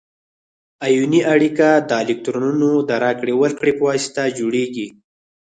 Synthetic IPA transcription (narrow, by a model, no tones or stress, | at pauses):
ajuniʔaɽikad̪əɪlɪk̚t̪ɾonunod̪əɾakɽewəlkɽepwɑst̪ad͡ʒoɽeɡi